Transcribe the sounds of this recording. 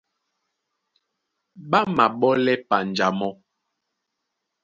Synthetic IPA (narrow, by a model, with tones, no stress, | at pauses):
ɓa˦ma˨ɓɔ˦lɛ˦pa˨n˨d͡ʒa˨mɔ˦